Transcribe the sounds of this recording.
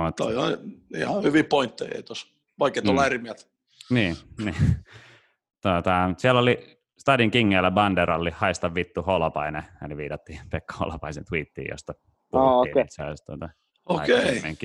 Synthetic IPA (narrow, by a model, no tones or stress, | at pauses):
mot̪ːolihɑiihɑhyʋipoint̪ːehḛit̪os | ʋɑikːet̪uolerimiæt̪ | niːni | t̪uot̪ɑsiælːoli | st̪ɑdiŋkiŋːeːlːæbɑndeɾɑlːihɑist̪ɑʋʋit̪ːuholopɑineɑliʋḭːt̪ɑt̪ːiːpekːho̰lɑpɑisent̪wiːt̪ːḭːjo̰st̪ɑ | puooiːit̪seo̰st̪uot̪ɑ | oɑ̰keimḛŋki